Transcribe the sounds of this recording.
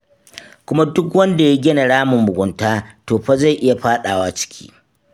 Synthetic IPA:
kʷʊ˦ma˦dʊ˦kwɐ˦nda˨ja˦ɡʲɪ˦na˨ɽaː˦mʊ˨mːʊ˨ɡʷʊ˨ntaː˦toː˨ɸa˦za˦˨jʔɪ˦ja˨ɸaː˦ɗaː˨waː˦t͡ʃɪ̥˦kʲʰi̥̰ː˦

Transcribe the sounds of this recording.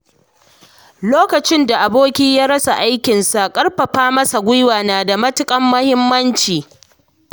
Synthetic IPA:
loː˦kɐ˨t͡ʃɪ˦nda˨ʔa˨boː˦kʲiː˦jaː˦ɾɐ˦sa˨ʔa˦jkʲɪ˨nsa˨kʼɐ˦rɸɐ˨ɸaː˦mɐ˦sa˨ɡʷʊ˦jwaː˨naː˨da˨mɐ˦tʊ˦kʼɐ˦mːɐ˦hɪ˦mːɐ˦nt͡ʃiː˨

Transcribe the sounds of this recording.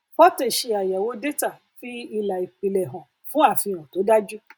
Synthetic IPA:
fɔ˦te˨ʃe˧a˨ja˨wo˨˦de˦ta˦˨ | fi˦i˧la˨i˨k͡pi˧lɛ˨ɦã˨ | fũ˦a˦˨fĩ˧ã˨to˨˦da˦d͡ʒu˦

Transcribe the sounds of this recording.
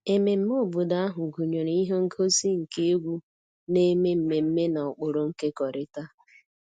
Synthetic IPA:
e˨me˨m̩˦mo˦˨bʊ˨da˦a˦ɦʊ˨ɡu˨ɲo˨ɾi˦ɦo˦ŋ̩˦kʰo˦si˦ŋ̩˨ke˦e˦ɡʷu˦ | ne˦me˦m̩˨me˨m̩˦me˦na˨ɔ˨k͡pʊ˨ɾʊ˨ŋ̩˦ke˦kɔ˨ɾɪ˦ta˦

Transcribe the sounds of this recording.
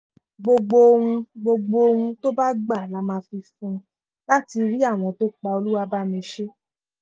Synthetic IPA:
ɡ͡bo˧ɡ͡bo˧ũ˧ɡ͡bo˧ɡ͡bo˧hũ˧to˦ba˦ɡ͡ba˦˨la˨˦mã˧fi˧fũ˧ | la˦ti˧ɾi˦a˦˨w̃ɔ̃˧to˦k͡pa˧o˧lu˦wa˧ba˦mĩ˨˧˦ʃe˦

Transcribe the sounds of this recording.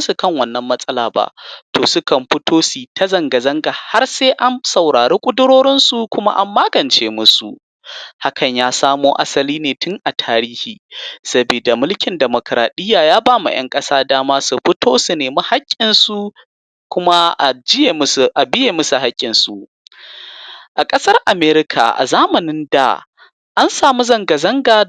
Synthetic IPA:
su˨kɐ˦˨ŋwɐ˦˨nːɐ˦mːɐ˦sʼɐ˦laː˨ba̰˨ʔtʰoː˨sʊ˦kɐ˨mɸɪ˦tʰoː˦siː˨tɐ˦zɐ˨ŋɡa˨zɐ˦ŋɡa˨ha˦rseː˦ʔa˦msɐ˨wɽaː˨ɽeː˦kʷʼʊ˦dʊ˦ɽoː˦ɽɪ˦nsu˨kʷʊ˦ma̰˦ʔa̰˨mːaː˦ɡɐ˨nt͡ʃeː˦mʊ˦sṵ˨ʔ | ha˦kʰɐ˨ɲjaː˦saː˦moː˦ʔa̰˦sɐ˦liː˦neː˨tʊ˦ŋʔa˨tʰaː˦ɾiː˦hiː˨sɐ˦biː˨da˨mʊ˦lkʲɪ˨ndɛ˨mo˨kɾa̰ː˨ɗɪ˦jːaː˨jaː˦baː˦ma̰˨j̰ɐ̰˦ŋkʼɐ˦saː˦daː˦maː˦su˨ɸɪ˦tʰoː˦su˨neː˨mi˦ha˦kʲʼːɪ˨nsu˨ | kʷʊ˦ma˦ʔa˨d͡ʒɪ˦˨ʔa˨bɪ˦jeː˨mɐ˦su˨ɦa˦kʲʼːɪ˨nsu˨ | ʔa˨kʼɐ˦sɐ˦rʔa˨meː˦ɾɪ˦kʰa̰˨ʔa̰˨zaː˦mɐ˨nɪ˦nda̰˨ | ʔa˦nsaː˨mu˦zɐ˦˨ŋɡɐ˨zɐ˦ŋɡaː˨

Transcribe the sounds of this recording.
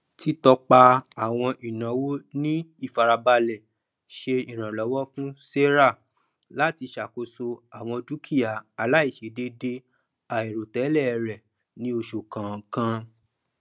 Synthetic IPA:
ti˦tɔ˧k͡pa˧a˨w̃ɔ̃˧ʔi˨nã˨˦wo˦nĩ˦i˦˨fa˨ɾa˧ba˧lɛ˨ | ʃe˧i˨ɾ̃ã˨lɔ˨˦wɔ˦fũ˦se˦ɾa˦˨ | la˦ti˧ʃa˨ko˨so˧a˨w̃ɔ̃˧d͡ʒu˦kʰi˦˨ja˨a˨la˨˦i˦˨ʃe˨˦de˧de˧ | a˨e˨ɾo˨tɛ˨˦lɛ˦˨˧ɾɛ˨ | nĩ˦o˧ʃo˨kã˨kã˧

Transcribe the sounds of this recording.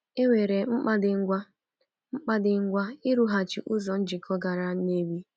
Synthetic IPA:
e˦we˨ɾe˨ŋ͡m̩˦k͡pa˦dɪ˨ŋ̩˦ɡʷa˦ | ŋ͡m̩˦k͡pa˦dɪ˨ŋ̩˦ɡʷa˦ɪ˦ɾu˦ɦa˨t͡ʃḭ˨ʔʊ˦zɔ˨n̩˦d͡ʒi˨kʰɔ˦ɡa˨ɾa˦ne˦bi˦

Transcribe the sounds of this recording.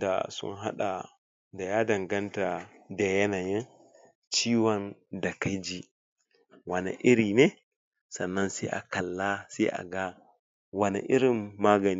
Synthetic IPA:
da̰˨sṵ˦nɦa̰˦ɗa˨ | da˨ja˦dɐ˨ŋɡa˦nta˨ | dɛ˨jɛ˦na˨ji˦n | t͡ʃiː˦wa˨nda˨ka˦jd͡ʒi˨ | wa˨na̰˨ʔi˦ɾi˨nɛ˦ | sɐ˨nːa˦nsa̰˦ʔa̰˨ka˨lːa˦sa˦ʔa̰˨ɡa˦ | wa˨na̰˨ʔi˦ɾɪ˦mːaː˦ɡa˨ni

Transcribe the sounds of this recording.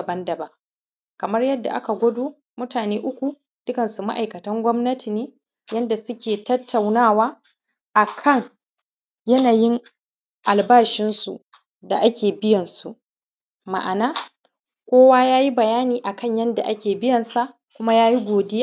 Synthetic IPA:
ɐ˨bɐ˦ndɐ˨bɐ˦ŋ | kɐ˨mɐ˦rjɐ˦dːa̰˨ʔa̰˦ka˨ɡʷɐ˦doː˦ | mʊ˦taː˨neː˦ʔʊ˦kʷu˨ | d̥ʊ˦kɐ˨nsu˨ma˦ʔa˨jkɐ˨tɐ˦ŋɡʷɔ˦mnɐ˦tʰi˨neː˦ | jɐ˦nda˨sʊ˦kʲeː˨tɐ˦tːa˨wnaː˦waː˦ | ʔa˨kʰɐ˦˨ŋ | jɐ˦naː˨jɪ˦ŋ | ʔa˨lbaː˦ʃɪ˦nsu˨ | da̰˨ʔa˦kʲeː˨bɪ˦jɐ˨nsu˨ʔ | ma̰˨ʔa˨naː˦ | kʷoː˦waː˦jaː˦ji˦bɐ˨jaː˦niː˨ʔa˨kɐ˦ɲjɐ˦nda̰˨ʔa˦kʲeː˨bɪ˦jɐ˨nsa˦˨ʔ | kʷʊ˦ma˦jaː˦ji˦ɡʷoː˨de˦

